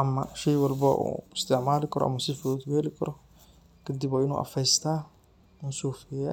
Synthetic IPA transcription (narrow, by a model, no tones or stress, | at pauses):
ʔɐmːɐʃɛjwɑlbɐʔṵːɪst̪ʰɪʕmaːlɪkʰɐɾɔ̰ʔɐ̰mːɐsɪfd̪jɛːlɪkʰɐɾɔ | kʰɐd̪ibɔːɪnṵːʔɐ̰fɛjst̪ʰaː | ɪnsuːfɪja̰ː